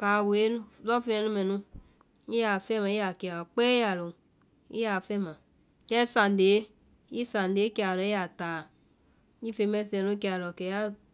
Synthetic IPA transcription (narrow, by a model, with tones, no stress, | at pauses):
ka˨we˦n˦lɔ˦fe˦e˨˦nu˦me˨nu˦ | i˦ja˨fe˦ma˨i˦ja˨ke˨a˨k͡pe˦ja˨lo˨ | ḭ˦ja˨fe˦ma˨ | ke˦sa˨n˨de˨˦ | i˦sa˨n˨de˨˦ke˦a˨lɔ˨i˦a˨ta˨˦ | i˦fe˧me˦se˨nu˦ke˦a˨lo˨ke˨ja˦